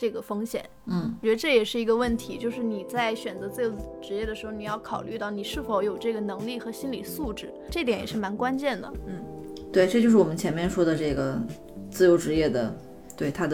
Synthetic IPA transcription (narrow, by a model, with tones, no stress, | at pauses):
ʈ͡ʂɤ˥˩ɡə˩fɤ˥ŋɕjɛ̰˨˩˦nwn̩˥˩wt͡ɕɛ˧˥d̪ə˧ʈ͡ʂɤ˥˩jɛ˨˩ʂɻ̩˥˩i˧˥ɡə˧wə˥˩nt̪ʰi˧˥t͡ɕjo˥˧ʊʂɻ̩˥˩ni˨˩t͡sa˥˩ɪɕɥɛ˨˩nt͡sɤ˧˥t͡sɹ̩˥˩jo˧˥ʊ | ʈ͡ʂɻ̩˧˥jɛ˥˩d̪ə˩ʂɻ̩˧˥xo˧ʊni˨˩jɑ˥˩ʊkʰɑ˨˩ʊly˥˧t̪ɑ˥˩ʊni˨˩ʂɻ̩˥˩fo˧˥ʊjo˨˩ʊʈ͡ʂɤ˥˩ɡə˩nɤ˧˥ŋli˥˩xɤ˧˥ɕi˥nli˨˩su˥˩ʈ͡ʂɻ̩˥˩ʈ͡ʂɤ˥˩t̪̬jɛ˧˥njɛ˨˩ʂɻ̩˥˩ma˧˥nkwa˥nt͡ɕjɛ˥˩nd̪ə̰˩n̩˥˩t̪we˥˧ɪʈ͡ʂt͡ɕjo˥˧ʊʂɻ̩˥˩wɔ˨˩mə˦nt͡ɕʰjɛ˧˥nmjɛ˥˧nʂwɔ˥d̪ə˨˧ʈ͡ʂɤ˥˩ɡə˩ | t͡sɹ̩˥˩jo˧˥ʊʈ͡ʂɻ̩˧˥jɛ˥˩d̪ə˩ | t̪we˥˩ɪt̪ʰa˥d̪ə˧